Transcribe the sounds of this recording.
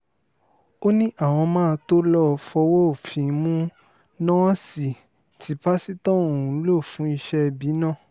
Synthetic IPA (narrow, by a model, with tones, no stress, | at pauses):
o˦nĩ˦ʔa˦˨w̃ɔ̃˧mãː˦˧to˦lɔ˦˧fɔ˧wo˦˨fĩ˨˧˦mũ˦ | nãː˦si˨ | ti˨˦ba˦si˦tɔ̃˦˨ũ˨˦lo˦˨fũ˨˦i˧ʃɛ˦bi˨˦nãː˦˨